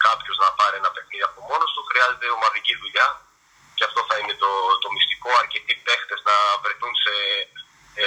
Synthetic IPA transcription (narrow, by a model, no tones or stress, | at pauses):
kɐpçoznɐpɐɾienɐpe̞xniðiɐpo̞mo̞nost̪uxɾiɐze̞t̪e̞o̞mɐðiciðuʎɐ | ceɐft̪o̞θɐine̞t̪ot̪o̞mist̪i̥ko̞ɐɾce̞t̪ipe̞xt̪e̞znɐvɾet̪unse̞